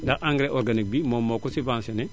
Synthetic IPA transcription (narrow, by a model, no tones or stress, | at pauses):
daʔaŋɡɾeʔoɾɡanik̚bimomoːkosivaːnsene